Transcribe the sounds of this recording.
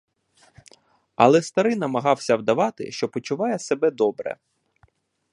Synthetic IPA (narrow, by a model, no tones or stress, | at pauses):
ɐ̰lˠɛst̪ɐɾɪnɐmɐɦɑwsʲɐwd̪ɐʋɑt̪ɪ̰ʃt͡ʃɔpɔt͡ʃʊʋɑjɛsebɛd̪ɔbɾɛ̰